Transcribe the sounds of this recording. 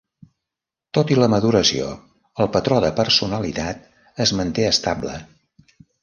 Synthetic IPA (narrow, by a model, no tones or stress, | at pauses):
t̪ot̪iləməðuɾəsio̰ | əlˠpət̪ɾɔðəpəɾsunəlit̪at̪̚ | əzmənt̪eəst̪ablə̰